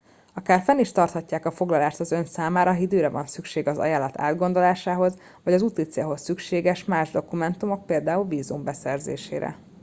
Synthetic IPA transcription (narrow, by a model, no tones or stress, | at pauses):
ɒkaːrfɛniʃt̪ɒrt̪hɒcːaːkɒfo̞ɡlɒlaːʃt̪ɒzø̞nsaːmaːɾɒɦid̪øːɾɛvɒ̰nsykʃeːɡɒzɒ̰jaːlːɒt̪ʰa̰ːd̪ɡo̞nd̪o̞laːʃaːɦo̞z | vɒɟɒzut̪it̪sijɒɦo̞sːykʃeːɡɛʃmaːʒd̪o̞kumɛnt̪umo̞k̚peːld̪aːulviːzumbɛsɛrzḛːʃḛːɾɛ̰